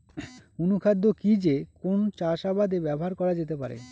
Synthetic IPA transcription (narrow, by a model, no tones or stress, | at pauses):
unukʰad̪ːokid͡ʑekont͡ɕaʃabad̪ebɛboɦaɾkɔɾad͡ʑet̪epa̰ɾḛ